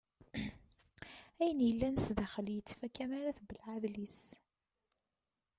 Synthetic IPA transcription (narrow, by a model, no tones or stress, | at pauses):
æjənjəlːænəsðæχəljət͡sːfækæmaɾaθbəlʕaðlis